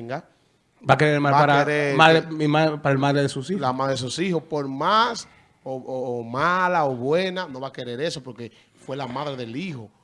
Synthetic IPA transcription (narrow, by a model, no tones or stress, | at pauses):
ŋɡa | bakeɾeɾemalaɾaɾemaðɾemimaðpaɾaelmaðɾeðesusihlamaðɾees̬usihospoɾmas | oomalaoβwe̞nano̞βake̞ɾe̞ɾe̞sopo̞ɾke̞ | fwe̞lamaðɾe̞ðe̞liho